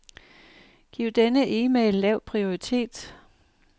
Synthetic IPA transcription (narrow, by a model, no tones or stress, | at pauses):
ɡ̥ḭʊ̰d̥enəʔiːmeːlːɛʊ̰pʰʁio̝it͡sʰe̝̰ːd̥